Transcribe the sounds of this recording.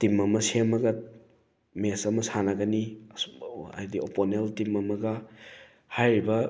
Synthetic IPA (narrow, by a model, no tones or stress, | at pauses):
timɐmɐsemɐɡɐ | mesɐmɐsanaɡɐni | a̰jdioponeltimɐmɐɡɐ | hajɾibɐ